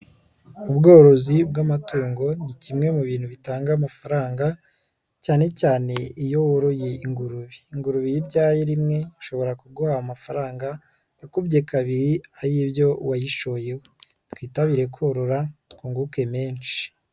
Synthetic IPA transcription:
ubɡo̞ːɾo̞zib̚ɡamatuːŋɡo̞nicimŋe̞muβiːn̥huβitaːŋɡaːmafaɾaːŋɡa | caːne̞caːne̞ijo̞woɾojeiŋɡuɾuβiːŋɡuɾuβijibɟaːjeɾimŋe̞ʃo̞βo̞ɾakuɡuhaamafaɾaːŋɡa | okubɟekaβiɾiaɾibjo̞wajiʃo̞je̞we | twiːtaβiɾe̞koɾo̞ɾatkuːŋɡuke̞me̞ːnʃi̥

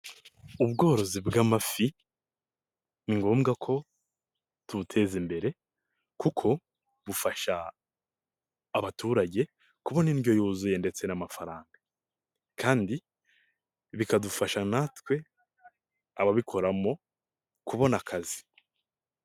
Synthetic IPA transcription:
uβɡo̞ːɾo̞zibɡaːmafi | niŋɡo̞ːmɡakʰo̞ | tuutʰe̞ːzimbe̞ɾe̞ | kukʰo̞ | βufaʃa | βatuːɾaɟe̞ | kuβo̞niːnjo̞juːzujende̞t͡se̞namafaɾaːŋɡa | kʰaːndi | βikadufaʃanatwe̞ | aβaβikʰo̞ɾamo̞ | kuβo̞nakʰazi̥

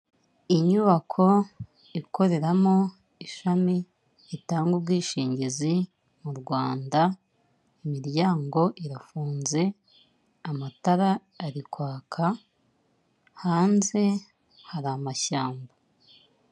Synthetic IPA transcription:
iɲuβakʰo̞ | iko̞ɾe̞ɾamo̞ | iʃamiː | taːŋɡubɡiːʃiːɲɟezi | muɾɡwaːnda | imiɾjaːŋɡo̞ʔiɾafuːnze̞ | amataɾaː | ɾikwaːkʰa | haːnze̞ | haɾamaçaːmba

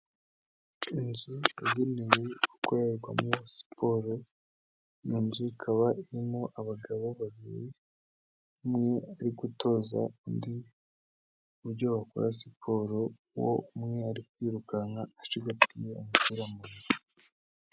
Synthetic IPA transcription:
inzujajeniwe̞ɡ̥ukoɾe̞ɾɡwa̰mŋuβosi̥pʰo̞ɾo | junzuikʰaβaʔiɾimo̞ʔaβaɡaβo̞βaβiɾi | umŋe̞aɾiɡuto̞ːza̰ndi | uβuɾɟoβako̰ɾas̬ipʰo̞ːɾo | wo̰umŋe̞aɾikwiːɾukaŋaːʃiɡapijeumutiɾamuɾiɾ

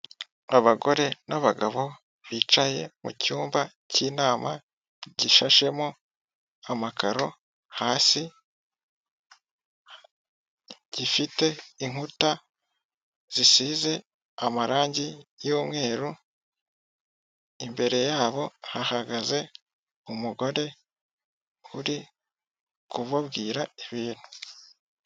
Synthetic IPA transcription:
aβaɡo̞ɾe̞naβaɡaβo̞ | βiːt͡ʃaje̞̰mṵcuːmba | ciːnaːma̰ | ɟiʃaʃe̞mo | amakaɾo̞ | haːsi | ɟ̥ifite̞iŋ̥uta | z̥isiːze̞ | amaɾaːɲɟijoːmŋe̞ːɾu | imbe̞ɾe̞jaːβo̞hahaɡaze̞ | umuɡo̞ɾe̞ | uɾi | kuβaβɡiːɾaiβiːn̥hu̥

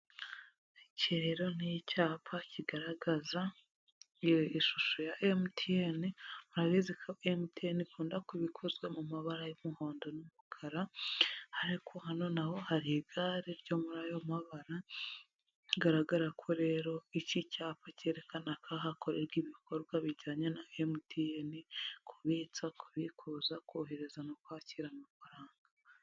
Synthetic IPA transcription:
iceɾeɾo̞nijicaːpʰaciɡaɾaɡaza | iʃuʃojaʔemtʰienimuɾaβizikʰaʔemutienikuːndakiβikʰo̞zwe̞mumaβaɾajomuho̞ːndo̞numukʰaɾahaɾikʰohano̞naho̞haɾiɡaːɾiɾɟo̞muɾajomaβaɾa | ɡaɾaɡaɾakʰoɾe̞ːɾo̞icicaːpace̞ɾe̞kanakʰaɦako̞ɾeɾɡiβikʰo̞ɾɡwaβiɟaːɲenaemutienikʰuβit͡sakuβikʰuzakoːɦe̞ɾe̞zanokwaːciɾamafaɾaːŋɡa

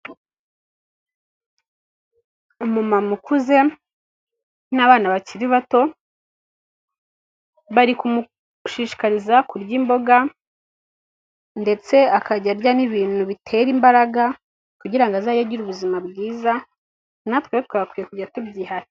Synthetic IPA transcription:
umumamukuze̞ | naβaːnaβaciɾiβato̞ | βaɾikumu | ʃiʃi̥kaɾizakuɾɟimbo̞ɡa | nde̞t͡se̞akaɟaɾɟaniβiːn̥huβitʰe̞ɾimbaɾaɡa | kuɟiɾaŋɡazajaɟiɾuβuzimabɡiːza | natkweot̚waɡakwiːjekuɟiɾatubɟiːɦaɾi

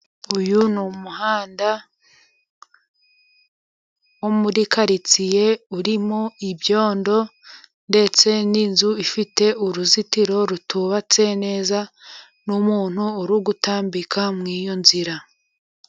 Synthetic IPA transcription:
ujunumuhaːnda | womuɾikaɾit͡sije̞uɾimoibjo̞ːndo̞ | nde̞t͡se̞ninzuifite̞ʔuɾuzitiɾo̞ɾutʰuβat͡se̞ne̞ːza | numuːn̥huːɾuɡutaːmbikʰamŋiːjonziɾa

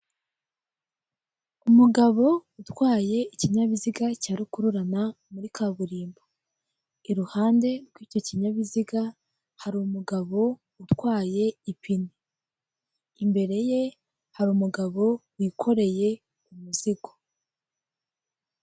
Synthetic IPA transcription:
umuɡaβo̞utwaːje̞iciɲaβiziɡacaːɾikuɾuɾana | muɾikʰaβuɾiːmbo | iɾuhaːnde̞ɾɡwiːco̞ciɲaβiziɡa | haɾumuɡaβo̞ | utwaːje̞ipʰini | imbe̞ɾe̞je̞ | haɾimuɡaβo̞wikʰo̞ɾe̞je̞ | umuziɡo̥

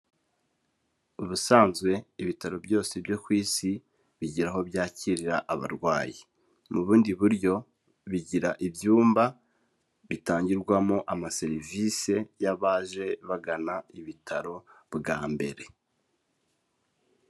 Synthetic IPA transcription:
uβusaːnzɡwe̞iβitaɾo̞bjo̞ːsebjo̞kwiːsi | βiɟiɾaɦo̞bjaːciɾiɾaʔaβa̰ɾɡwaːji | muβuːndiβuɾɟo̞ | βiɟiɾa̰ʔibjuːmba | βitaːɲɟiɾɡwamo̞ʔamase̞ɾivise̞jaβaːʒe̞βaɡanaiβitʰaɾo̞ | bɡaːmbe̞̰ɾe̞

